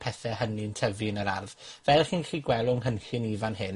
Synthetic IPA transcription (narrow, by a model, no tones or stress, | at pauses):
pʰɛθɛhənintʰəvɨnəɾa̰rð | vɛlˠχinɬiːɡwɛlˠʊŋɦənɬɪniːvanɦɪn